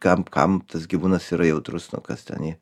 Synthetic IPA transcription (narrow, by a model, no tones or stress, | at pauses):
kɐmkɐ̰mt̪ɐsɡʲiʋuːnɐsiːɾɐjɛʊt̪ɾʊsnʊ̰kɐst̪ʲɛ̰niː